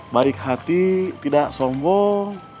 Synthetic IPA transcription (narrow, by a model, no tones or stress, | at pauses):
baik̚hat̪it̪idaʔsɔmbɔŋ